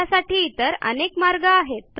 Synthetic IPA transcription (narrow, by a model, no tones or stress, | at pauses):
asaʈʰiːt̪əɾə̰nekmaɾɡaːɦet̪̚p